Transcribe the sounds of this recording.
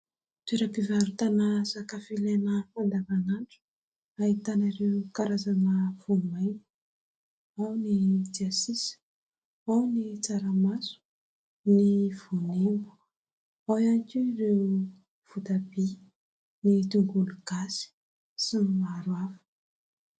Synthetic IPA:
t̪eɾapivaɾut̪anasakafilenəfand̪avanaɳʈ͡ʂu̥ | ait̪anarewkaɾazanəv̥umajni̥ | awnid̪iasis | awnit͡saɾamasu̥ | niv̥unembu̥ | awankʲirew | v̥ut̪abi | nit̪uŋɡuluɡ̥asi̥ | sinimaɾwafə̥

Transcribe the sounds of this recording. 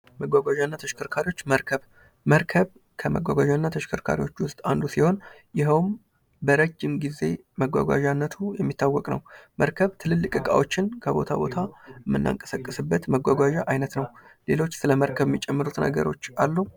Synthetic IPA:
məɡʷaɡʷwʷaʒanːat̪ʰəʃkʰɨɾkʰaɾiwo̞t͡ʃːməɾkʰəβ | məɾkʰəβ | kʰəməɡʷa̰ɡʷaʒanːat̪ʰəʃɪ̥kʰɨɾkʰa̰ɾiwo̞t͡ʃːwʊst̪ʼand̪usiho̞n | jɪɦəwm | bəɾəd͡ʒːɪmɡize̞ | məɡʷa̰ɡʷa̰ʒanːət̪ʰujɛmːit̪ʰːawːɔkʼnə̰wməɾkʰəβt̪ʰɨlɨlːɨkʼɨkʼa̰wo̞t͡ʃːɪnkʰəbo̞̰t̪ʰa̰bo̞t̪ʰaəmːɨnːa̰ŋkʼə̥səkʼːɨsɨbːət̪məɡʷaɡʷaʒaʔajnət̪nəwle̞lo̞t͡ʃːsɨləməɾkʰəβɛmːit͡ʃʼɛmːɨɾut̪nə̰ɡə̰ɾo̞t͡ʃːalːu

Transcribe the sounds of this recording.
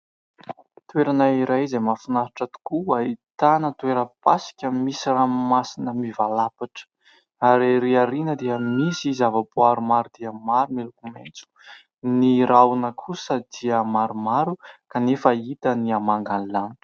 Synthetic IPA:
t̪weɾanaiɾajzemafinaɾiʈ͡ʂat̪u̥kuait̪anət̪weɾəpasi̥kʲəmisiramasinəmivalapaʈ͡ʂə̥ | aɾeɾiaɾinəd̪eəmisizavaboaɾumaɾud̪iəmaɾumelukument͡su̥ | niɾawunəkʰusəd̪̥iəmaɾumaɾukanefəit̪əniamaŋɡanlanə̥

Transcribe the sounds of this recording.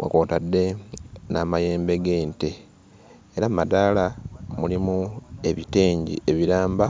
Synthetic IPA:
wa̰ko̞ːtadːe̞namaje̞ːmbe̞ɡe̞ːnteː | ɾamadaːlamulimue̞βite̞ːɲɟḭe̞βiɾaːmba

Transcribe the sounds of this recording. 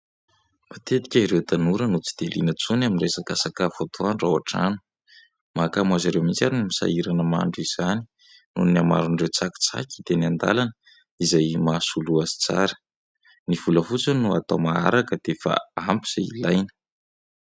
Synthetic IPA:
mat̪et̪i̥kʲaiɾewt̪anuɾənut͡si̥d̪̥elḭnət͡sunaminresakasakavot̪ʰoanrawaʈ͡ʂa̰nu̥ | mʔakamazaɾewmit͡saɾinimisa̰iɾanəma̰ɳɖ͡ʐuiz̥ani̥ | nunniama̰ɾuɳrewt͡saki̥t͡sa̰ki̥d̪eniand̪a̰lanə | izajmasuluazi̥t͡sa̰ɾə̥ | niv̥uləfut͡sənuat̪awmaa̰ɾakəd̪̥efa̰ampiz̥eḭlajnə̥

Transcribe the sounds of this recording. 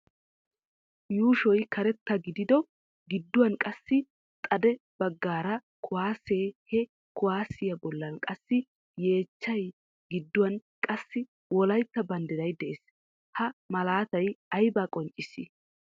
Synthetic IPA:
juːʃɔjkʰɐɾɛt̪ːɐɡɪd̪ɪd̪ɔ | ɡɪd̪ːʊwɐnkʼɐsːɪ | t̪ʼɐd̪ɛb̥ɐɡːaːɾɐ | kʰʊwaːseːhɛ | kʊwaːsɪjɐbɔlːɐnkʼɐsːɪ | je̞ːt͡ʃːɐj | ɡɪd̪ːʊwɐnkʼɐsːɪ | wɔlɐjt̪ːɐbɐnd̪ɪd̪ɐjd̪ɛʔes | hɐmɐlaːt̪ɐjɐjbaːkʼɔnt͡ʃʼːɪsːɪ̰

